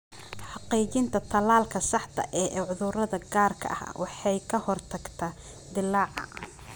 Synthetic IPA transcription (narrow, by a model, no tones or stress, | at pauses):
ħɑqiːt͡ʃɪnt̪ʰɐt̪ʰɐlaːlkʰɐsɑħt̪ʰɐ̰ʔɛːʔɛʕʊðʊɾɐðɐɡaːrkʰɐ̰ʔɐ̰hwʔɑħɑjkʰɐhɔrt̪ʰɐɡt̪ʰɐ | d̪ɪlɑːʕɑ̰